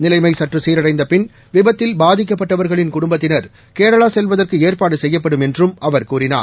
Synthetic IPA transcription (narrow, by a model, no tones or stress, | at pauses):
nɪlɐɪmɐɪsɐʈrɯsiːɾɐɽɐɪnd̪ɐpɪn | ʋɪbɐt̪ːɪlbaːðɪk̬ːɐp̬ːɐʈːɐʋɐɾɣɐɭɪnkʊɽʊmbɐt̪ːɪnɐɾ | keːɽɐɭaːsɛlʋɐðɐrkɯeːrpaːɽɯsɛjːɐp̬ːɐɽɯmɛndrɯmʔɐʋɐɾkuːrɪna̰ː